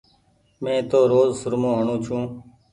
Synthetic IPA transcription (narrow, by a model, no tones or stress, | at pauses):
mẽːt̪oːɾoːzsʊɾmõːɦəɳũːt͡ʃʰũː